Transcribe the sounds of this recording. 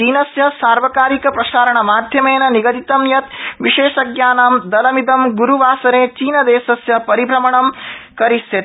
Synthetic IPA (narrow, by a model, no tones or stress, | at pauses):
t͡ʃiːnɐsjɐsaːɾʋɐkaːɾikɐpɾɐʃaːɾɐɳɐmaːd̪ʱjɐmeːnɐniɡɐd̪it̪ɐmjɐt̪ʋiʃeːʃɐɡjaːnaːmd̪ɐlɐmid̪ɐmɡuɾuʋaːsɐɾeːt͡ʃiːnɐd̪eːsɐsjɐpɐɾibʱɾɐmɐɳɐmkɐɾisjɐt̪